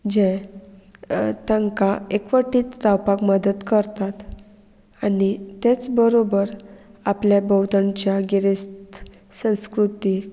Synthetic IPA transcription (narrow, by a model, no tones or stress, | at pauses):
d͡ʑɛ̃ | t̪ãŋkaekʋəʈiːt̪ɾawpakməd̪ət̪kəɾt̪at̪ | anit̪et͡sbəɾobəɾapljabəwt̪ant͡ɕjaɡiɾest̪ | sə̃w̃skɾut̪i